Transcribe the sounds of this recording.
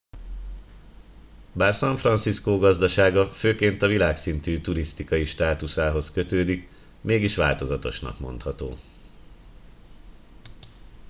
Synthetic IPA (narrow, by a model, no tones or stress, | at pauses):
baːrsɒɱfrɒnt̪siskoːɡɒzd̪ɒʃaːɡɒføːkeːnt̪ɒvilaːksint̪yːt̪uɾist̪ikɒjiʃt̪aːt̪usaːɦo̞skø̞t̪øːd̪ik | meːɡiʃʋa̰ːlt̪o̞zɒt̪o̞̰ʃnɒ̰kmo̞̰n̪t̪hɒt̪o̰ː